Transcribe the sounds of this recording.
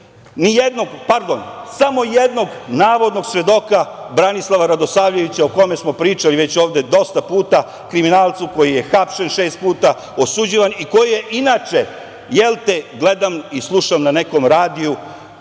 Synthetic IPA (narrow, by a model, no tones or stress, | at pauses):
nijed̪noɡpaɾd̪o̞nsamo̞jed̪no̞ɡnaːʋo̞d̪no̞ɡsʋe̞d̪o̞ka | bɾanislˠaʋaɾad̪o̞saːʋʎe̞ʋit͡ɕaoko̞me̞smo̞pɾiːt͡ʃaliʋe̞t͡ɕo̞ːʋd̪e̞d̪o̞st̪apuːt̪a | kɾiminaːlˠt̪suko̞jije̞xapʃenʃe̞ːst̪̚puːt̪a | osud͡ʑiʋaniko̞jijeʔinaːt͡ʃe | jelt̪eɡle̞d̪amislˠuʃamnane̞ko̞mɾaːd̪iu